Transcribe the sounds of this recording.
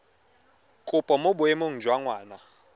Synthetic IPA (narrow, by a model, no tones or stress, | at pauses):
kʼʊpʼɔmobʊemoŋ̩d͡ʒwaŋwaːna